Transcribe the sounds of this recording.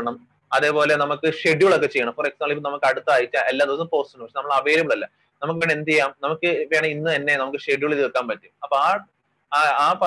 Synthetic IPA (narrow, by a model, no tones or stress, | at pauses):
ɳɐm | ɐðe̞ːpo̞ːle̞nɐmukːɨʂeɖjuɭo̞kːet͡ɕe̞jɐɳɐmforeksaːɭlipːnɐmukːɨɐɽut̪ːɨaːjit͡ɕːɨelːaːðosɨmpo̞ːstunːpɐʂenɐmːɐɭɐʋeːɾjiɐmɐɭɐlːɐ | nɐmukːɨʋeːɳend̪ijaːmnɐmukːɨʋeːɳɐinːɨenːe̞nɐmukːɨʂeɖjuɭiðikːaːmpɐtːuɐpːoaː | aːp